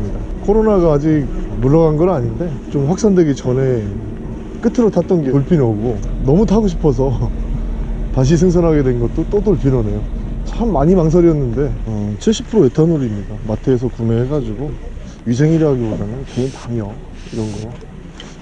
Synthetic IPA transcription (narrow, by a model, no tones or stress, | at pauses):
kʰoɾonaɡaːd͡ʑik̚muɭːʌɡanɡʌɾaɲinde̞t͡ɕomɸwak̚s͈andweɡit͡ɕʌne̞ | k͈ɯtʰɯɾotʰat̚t͈ʌnɡeoɭpʰinʌɡonʌmutʰaɡoɕʰi̥pʰʌs̬ʰʌ | taɕ̬ʰis̬ʰɯŋs̬ʰʌnɦaɡe̞dwe̞nɡʌt̚t͈ot͈otoɭpʰinʌne̞jot͡ɕʰamːaɲimaŋs̬ʰʌɾiʌnːɯnde̞t͡ɕʰiɭɕ͈i̥pʰɯɾoe̞tʰanuɾimɲidamatʰeːs̬ʰʌkune̞ɦeɡad͡ʑiɡo | ɥis̬ʰe̞ŋiɾɦaɡibodanɯnketamjʌ | iɾʌnɡʌ